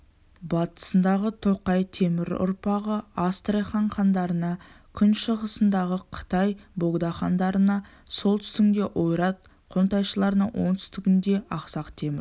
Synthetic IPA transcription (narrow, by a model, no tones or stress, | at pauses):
bɑt̪ə̥sənd̪ɑʁət̪ʰo̞qɑjt̪ʰe̞mɪɾʊ̰ɾpɑʁəɑst̪rejχɑɴχɑnd̪ɑɾənɑkʲʰʏnʃəʁəsənd̪ɑʁəqʰə̥t̪ɑjbo̞ɡd̪ɑχɑnd̪ɑɾənɑ | so̞lˠt̪ʰʏ̥st̪ɪŋd̪ʲe̞ʔo̞jɾɑt̪̚ | qʰo̞nt̪ɑjʃəlˠɑɾənɑwo̞̰ŋt̪ʰʏst̪ɪɡʲɪnd̪e̞ɑqsɑqt̪ʰe̞mɪɾ